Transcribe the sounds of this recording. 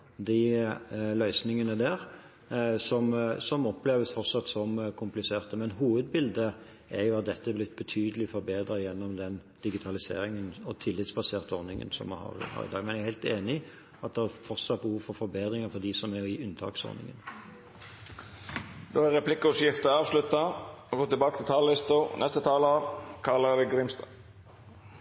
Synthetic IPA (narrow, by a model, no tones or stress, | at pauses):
d̪ɪ | lœʏsnɪŋənəd̪æːɾ | sɔmsɔmɔpleːʋəsfɔʁt̪sɑt̪ːsɔmkʰʊmplɪseːʁt̪əmɛnɦuːʋəd̪bɪld̪ə | ʔɛɾjʊɑt̪̚d̪ɛt̪ːəblɪt̪̚ːbət̪ʰyːd̪əlɪfɔɾbeːd̪ɾɑjɛnːɔmd̪ɛnd̪̥ɪɡɪt̪ʰɑlɪsḛːɾɪŋənɔt̪ʰɪlːɪt̪sbɑseːʁt̪əɔɾnɪŋə̰nsɔ̰mhɑ̰ɾhɑ̰ɾɪ̰d̪ɑ̰ːɡmɛnæhæɪlt̪eːnɪ | ɑt̪̚d̪ɛhæfɔʁt̪sɑt̪̚bəhuːʋfɔɾfɔɾbeːd̪ɾɪŋəfɔʁd̪ɪsɔmæɪʉnːt̪ʰɑ̰ːksɔ̰ɾnɪ̰ŋə̰n | d̪oːæɾɛpʰlɪkːəʊsjɪft̪əɑːʋslʉt̪ːɑɔɡoːt̪ɪbɑːkət̪ɪlt̪ʰɑːllɪst̪ənɛst̪ət̪ʰɑːlɑʋkʰɑləd̪ɛɡɾɪmst̪ɑ